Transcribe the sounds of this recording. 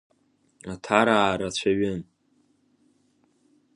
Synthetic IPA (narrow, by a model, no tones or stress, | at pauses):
atʰaɾaːɾat͡ɕʷʰaɥɪn